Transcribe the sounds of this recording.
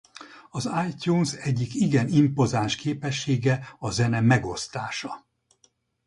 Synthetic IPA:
ɒzaːjcuːnsɛɟːikiɡɛnimpo̞zaːʃkeːpɛʃːeːɡɛɒzɛnɛmɛɡo̞st̪aːʃɒ

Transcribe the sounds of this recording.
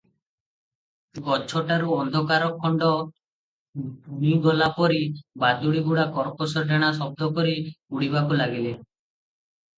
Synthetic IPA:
ɡɔt͡ʃʰɔʈaɾuɔnd̪ʱɔkaɾɔkʰːɔɳɖɔ | buniɡɔlapɔɾibad̪uɽiɡuɽakɔɾposɔɾɖaɽ̃asɔb̚d̪ʱɔkɔɾiuɽibakulaɡile

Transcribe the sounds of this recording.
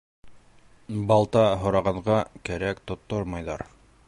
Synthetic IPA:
bɑlˠt̪ɑɦŏɾɑʁɑɴʁɑkæɾækt̪ŏt̪ːoɾmɑjðɑ̰ɾ

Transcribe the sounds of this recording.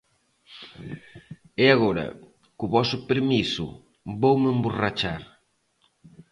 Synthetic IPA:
ɪaɣɔɾɐ̰ | kʊβɔsʊpeɾmisʊ̰ | bowmemburat͡ʃaɾ

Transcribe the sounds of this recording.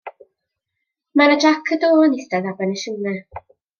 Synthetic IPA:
maɾədakʰədoːnistɛðabɛnəʃuːnɛ

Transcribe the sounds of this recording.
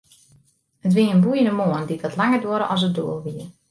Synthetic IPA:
ətʋiəənbujəndəmoənditʋɔtlaŋərdoəɾəʔɔs̬ət̚do̰əlˠʋiər

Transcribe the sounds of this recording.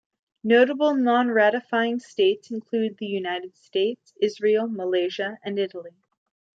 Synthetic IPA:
noʊɾəbl̩ˠnɑ̃nɹæɾɨfaɪɪ̃ŋsteɪtsɨ̃n̩kʰl̥ʉd̪̚ðɨjʉnaɪɾɨd̥steɪtsɪzɹil̩ˠməleɪʒɨɨ̃nɪɾl̩ˠi

